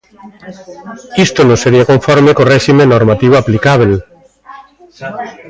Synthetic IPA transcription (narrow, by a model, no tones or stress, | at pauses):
ist̪onõseɾiakõɱfɔɾmekorɛʃimẽnoɾmat̪iβoaplikaβel